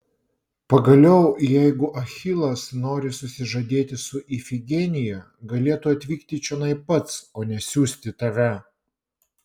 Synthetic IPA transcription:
pɐɡɐlʲɛʊjɛɪɡʊʔɐxʲɪlˠɐsnoːɾʲɪsʊsʲɪʒɐd̪ʲeːt̪ʲɪsʊʔifʲɪɡʲɛnʲɪjɛ | ɡɐlʲeːt̪uːɐt̪ʲʋʲiːkt̪ʲɪt͡ʃʲɛnɐɪpɐt̪soːnʲɛsʲuːsʲt̪ʲɪt̪ɐʋʲɛ

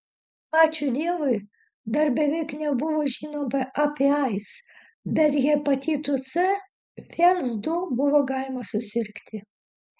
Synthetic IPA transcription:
ɑːt͡ʃʲʊd̪ʲiɛʋʊɪ | d̪ɐɾbʲɛʋʲɛɪknʲɛbʊʋoːʒʲiːnoːmɐʔɑpʲeɐɪs | bʲɛt̪jʲɛpɐt̪ʲiːt̪ʊt̪sɨ | ʋʲiɛnsd̪ʊbʊʋoːɡɑːlʲɪmɐsʊsʲɪɾʲkt̪ʲɪ

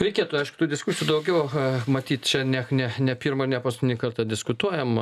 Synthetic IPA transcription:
ɾʲɛɪkʲiɛt̪ʊɐɪʃkʊ̥t̪uːd̪ʲɪskʊsʲɪjuːd̪ɐʊɡʲɛʊmɐt̪ʲiːt̪ʲt͡ʃʲɛnʲɛnʲɛnʲɛpʲiːrmɐɪrnʲɛpɐst̪ʲɪnʲikɐrt̪ɐd̪ʲɪskʊt̪uɔjɛm

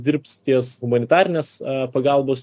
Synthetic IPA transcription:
d̪ʲɪɾp̚ʲt̪st̪ʲiɛsɣʊmɐnʲɪt̪ɑːɾʲɪnʲeːspɐɡɑˑlˠboːs

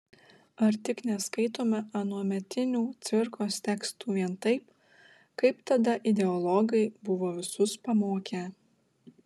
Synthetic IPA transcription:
ɐɾt̪ʲɪknʲɛskɐɪt̪oːmʲɛɐnuɔmʲɛt̪ʲɪnʲuːt̪sʲʋʲɪɾkoːst̪ʲɛkst̪uːʋʲiɛnt̪ɐɪp | kɐɪpt̪ɐd̪ɐʔɪd̪ʲɛɔlˠɔɡɐɪbʊʋoːʋʲɪsʊspɐmoːkʲæː

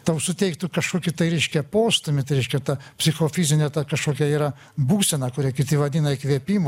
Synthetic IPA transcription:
t̪ɐʊsʊt̪ʲɛɪkt̪ukɐʃkoːkʲɪt̪ɐɪɾʲɛɪʃʲkʲɛpoːst̪ʊmʲɪt̪ɾʲɛɪʃʲkʲɛt̪ɐpʲsʲɪxoːfʲiːzʲɪnʲɛt̪ɐkɐʃkoːkʲɛiːɾɐ | buːsʲɛnɐkʊɾʲikʲɪt̪ʲɪʋɐd̪ʲiːnɐɪkʋʲiɛpʲiːmo

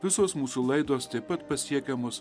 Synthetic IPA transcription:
ʋʲɪsoːsmuːsuːlˠɐɪd̪oːst̪ɐɪpɐt̪pɐsʲiɛkʲɛmoːs

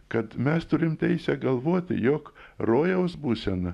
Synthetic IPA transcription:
kɐt̪mʲɛst̪ʊɾʲɪmt̪ʲɛɪsʲɛɡɐlˠʋoːt̪ʲɪ̰joːkroːjɛʊsbuːsʲɛn

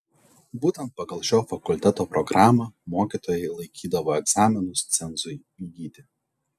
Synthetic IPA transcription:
buːt̪ʲɛnt̪̚pɐɡɐlˠʃʲoːfɐkʊlʲt̪ʲɛt̪oːpɾɔɡɾɑːmɐmoːkʲiːˑt̪oːjɛɪlˠɐɪkʲiːd̪ɐʋoːɛɡzɑːmʲɪnʊst̪sʲɛnzʊj | iːɡʲiːt̪ʲɪ

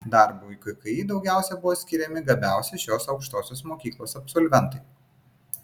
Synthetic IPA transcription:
d̪ɑˑɾbuːikɐɪkɐid̪ɒʊɡʲæˑʊsʲɛbʊʋoːsʲkʲɪɾʲɛmʲɪɡɐbʲæˑʊsʲɛʃʲoːsɒʊkʃt̪oːsʲoːsmoːkʲiːklˠoːsɐpsɔlʲʋʲɛnt̪ɐɪ

